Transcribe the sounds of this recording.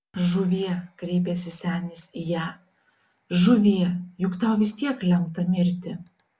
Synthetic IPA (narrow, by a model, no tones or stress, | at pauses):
ʒʊʋʲiɛkɾʲɛɪpʲɛsʲɪsʲæːnʲɪsʲijæː | ʒʊʋʲiɛjʊkt̪ɑʊʋʲɪsʲt̪ʲiɛklʲɛmt̪ɐmʲɪɾʲt̪ʲɪ